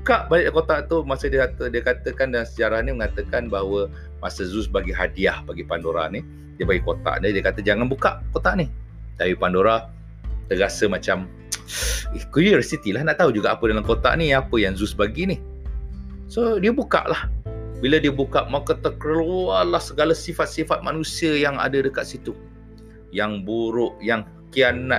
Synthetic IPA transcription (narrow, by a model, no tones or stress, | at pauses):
bukaʔbaɲaʔkot̪aʔt̪umasədiəkat̪ədiəkat̪əkandalamsəd͡ʒaɾahniməŋat̪əkanbaɦwə | masəzusbaɡiɦadiahbaɡipandoɾa̰ni | diəbaɡikot̪a̰ʔnədiəkat̪əd͡ʒaŋanbukaʔkot̪aʔni | d̪awipandoɾa | t̪əɾasəmat͡ʃam | ikuɾirsit̪ilahnaʔt̪aud͡ʒuɡaʔapədalamkot̪a̰ʔniapəjaŋzʊsbaɡinih | sodiəbuka̰ʔlahbilədiəbukaʔmakət̪əkɾlualahsəɡalasifat̪̚sifat̪̚ma̰nũsiəjaŋa̰dədəkat̪̚sit̪u | jaŋbuɾʊʔjaŋ | kiana